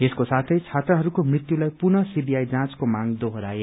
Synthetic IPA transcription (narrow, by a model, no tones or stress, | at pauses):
eskosat̪ʰʌjt͡sʰat̪rʌɦʌɾukomrit̪julajpunʌsibijajd͡zãt͡skomãŋd̪oɦoɾae